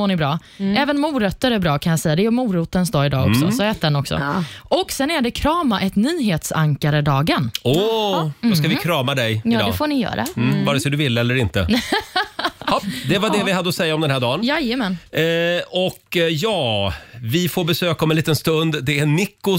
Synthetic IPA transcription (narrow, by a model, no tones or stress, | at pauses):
moːɳɪbɾɑː | ɛːvənmuːɾœt̪ːəɾæɾbɾɑːkʰanjasɛjːad̪ɛmuːɾuːt̪ənsd̪ɑːɪd̪ɑ̰ːɔksɔ̰sɔɛːt̪̚d̪ɛnɔksɔ̰ʔɔksɛnæɖɛkʰɾɑːmaʔɛt̪nyːɦeːt̪sa̰ŋkaɾəɖ̪ɑːɡənɔ | ɔskavɪkʰɾɑːmad̪ɛjjːd̰dɛfoːɳɪjœ̰ːɾa̰vɑːɾɛsɔd̪ɵvɪlːəɛlːəɾɪnt̪ə̰ | ɔd̪ɛvadɛvɪhad̪ːəɔsɛjːaɔmd̪ɛnɦæːɖɑːnjajəmɛn | ɔkːjɑːvɪfoːɾbɛsøːkaɔmɛnliːt̪ənst̪ɵnd̪d̪ɛænɪkːʊ